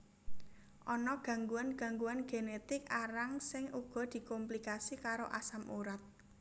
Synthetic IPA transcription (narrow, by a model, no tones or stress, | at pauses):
ʔɔnɔɡ̥ä̤ŋɡuanɡ̥ä̤ŋɡuanɡ̥e̤net̪ɪkaɾaŋsɪŋʔuɡ̥ɔ̤d̪̥i̤komplikasikaɾoʔa̰samʔṵɾat̪̚